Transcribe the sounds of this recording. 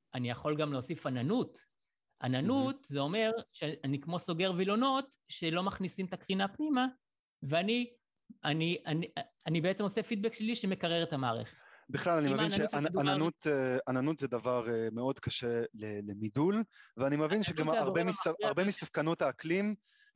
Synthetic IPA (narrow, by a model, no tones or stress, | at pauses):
anijaχo̞lɡamleosifananut̪ | ʔa̰nanut̪zeo̞me̞ʁʃeanikmo̞so̞ɡe̞ʁvilo̞no̞t̪ | ʃe̞lo̞maχnisimet̪akʁinapnima | veani | aniʔani | anibeet͡se̞mo̞sefid̪̚bekʃe̞liʃeme̞kaʁeʁet̪amaːʁḛχe̥tbiχlalanimevmvinʃeadananut̪eananut̪zɛd̪avaʁemeo̞d̪kʰaʃelelemidulveanimevinʃeɡamaʁbemisaaʁbemisav̥kano̞taːklim